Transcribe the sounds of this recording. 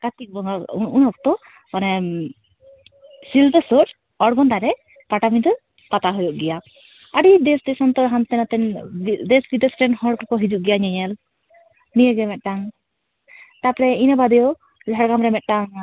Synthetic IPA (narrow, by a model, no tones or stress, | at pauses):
kat̪ik̚bɔŋɡaunɔk̚t̪ɔ | nɛ | sild̪əsɔɾ | ɔɽɡɔnd̪aɾɛ | paʈamind̪ɔ | kat̪aɦɔjɔʔɡɛja | əɖid̪ɛsʈesɔnt̪ɔɦant̪ɛnat̪ɛnd̪ɛsbid̪ɛsʈɾɛnhɔɽkɔkɔɦid͡ʒuʔ̚ɡɛjaɲɛɲɛl | nijəɡɛmɛt̪̚ʈaŋ | t̪apɾɛinəbad̪ɛjɔ | d͡ʒʱaɽɡamɾɛmɛt̪̚ˀʈaŋ